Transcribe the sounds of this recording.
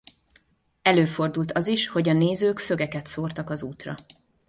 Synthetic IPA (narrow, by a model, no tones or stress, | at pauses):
ɛløːfo̞rd̪ult̪ɒziʃho̞ɟɒneːzøːksø̞ɡɛkɛt̪soːrt̪ɒkɒzuːt̪rɒ̰